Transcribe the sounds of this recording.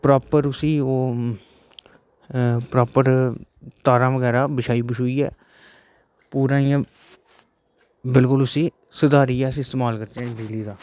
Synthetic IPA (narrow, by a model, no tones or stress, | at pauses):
pɾaːpəɾʊsĩːoː | pɾaːpəɾt̪aːɾãːʋəɡɛːɾaːbɪʃaːiːbʊʃɦoːiːɛ̰ː | puːɾãːɪjãː | bɪlkʊlʊsĩː | səd̪aːɾiːɛːsĩːɪst̪eːmaːlkəɾt̪ãːɖɪd͡ʒliːd̪aː